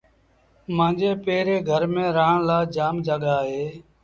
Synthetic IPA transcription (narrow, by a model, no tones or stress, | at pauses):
mãːd͡ʒeːpeːɾeːɡʱəɾmẽːɾaːɳlaːd͡ʒaːmd͡ʒaːɠaːɦeː